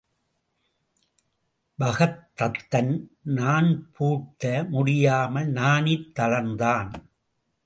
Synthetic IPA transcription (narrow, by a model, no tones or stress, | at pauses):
bɐɣɐt̪ːɐt̪ːɐnnaːnpʰuːʈːɐmʊɽɪjaːmɐnaːnɪt̪ːɐlɐnd̪aːn